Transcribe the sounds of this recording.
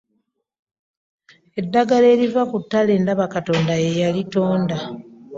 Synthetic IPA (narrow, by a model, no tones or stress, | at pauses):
e̞dːaɡale̞ːlivakutːale̞ːndaβakato̞ːndajejalito̞ːnda